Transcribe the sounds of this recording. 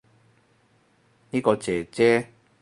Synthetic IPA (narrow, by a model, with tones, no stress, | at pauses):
ni˦˥kɔ˧t͡ɕeː˨˩t͡ɕe˦˥